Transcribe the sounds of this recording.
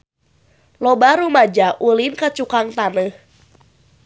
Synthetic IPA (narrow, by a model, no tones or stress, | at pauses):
lobaɾumad͡ʒaʔulinkat͡ʃukaŋt̪anəh